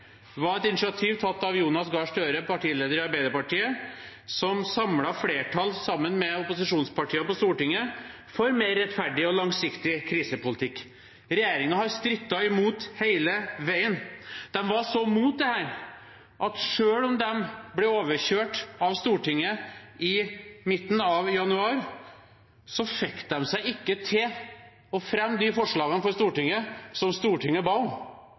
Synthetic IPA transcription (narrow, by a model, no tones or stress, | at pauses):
ʋɑɾɛt̪ɪnɪʂɑt̪ʰiːʋt̪ʰɑt̪ːɑʋjuːnɑsɡɑːʂʈøːɾəpʰɑʈiːleːd̪əɾɪɑɾbæɪd̪əɾpɑʈiːəsɔmsɑmlɑfleːʈʰɑlsɑmːənmɛʊpʊsɪʂuːnspɑʈʰiːɑpɔst̪uːʈɪŋːə | fɔɾmeːɾːɛt̪fæɖɪɔlɑŋsɪkt̪ɪkʰɾiːsəpʊlɪt̪ʰɪkː | ɾɛjeːɾɪŋɑhɑɾst̪ɾʏt̪ːɑɪmuːt̪heɪləʋæɪənd̪̥ɛmʋɑʂɔmuːt̪̚d̪ɛhæːɾ | ʔɑt̪ʂøːlɔmd̪ɛmblɛoːʋəɾçøːʈɑʋst̪uːʈɪŋːəɪmɪt̪ːn̩ɑʋjɑnʉɑːɾ | sɔfɛkt̪̚d̪ɛmsæɪɪkːət̪ʰɪl | ɔfɾɛmːd̪ɪfɔʂɭɑːɡənəfɔɾst̪uːʈɪŋːəsɔmst̪uːʈʰɪŋːəbɑ